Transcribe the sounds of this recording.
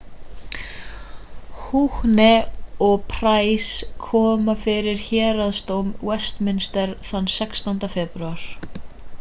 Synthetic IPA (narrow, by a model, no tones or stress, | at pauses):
huːhnɛɔpʰɾaːjskʰɔːmafɪɾɪɾ̥çɛːɾaðst̪owmwɛst̪mɪnst̪ɛɾ̥θanːsɛkst̪ɔnt̪afɛpɾɥaɾ̥